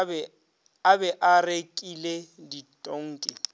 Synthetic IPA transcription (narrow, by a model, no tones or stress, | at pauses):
abɛʔarekʼileditʼoŋ̩ːkʼɪ